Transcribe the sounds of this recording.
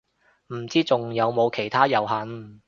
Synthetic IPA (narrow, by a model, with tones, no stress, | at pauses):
m̩˨˩t͡siː˥t͡sʊ˨ŋjɐ˨˧wmo˨˧wkʰe˨˩jt̪ʰaː˥jɐ˨˩wɦɐ˨˥n